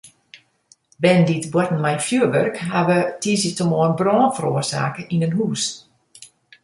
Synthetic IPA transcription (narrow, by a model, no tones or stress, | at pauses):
ʋɛnditbwɔtn̩mɛjfjuəʋørkɦaʋətʰizətəmɔənbrɔːnfəɾoərsa̰ːkəinənɦuːs